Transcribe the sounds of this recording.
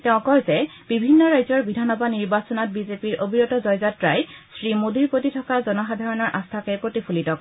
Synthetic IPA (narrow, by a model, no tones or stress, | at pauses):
tɛʊ̃kɔɹzɛbibʱinːɔɹajzɔɹbidʱanɔbʱaniɹbasɔnɔt̚bizepiɹʔobʱiɹɔtɔzɔjzatɹajsɹimodʱiɹpotitʰɔkazɔnɔxadʱaɹɔnɔɹʔast̪ʰakɛpɹotipʰulitɔk